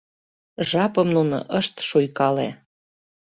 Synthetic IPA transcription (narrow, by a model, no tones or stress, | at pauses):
ʒɑpəmnuno̰ʔəʃt̪ʃujkɑlḛ